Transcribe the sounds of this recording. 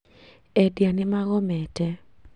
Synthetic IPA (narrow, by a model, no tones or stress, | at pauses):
ɛdjanɪmaɣɔmɛtɛ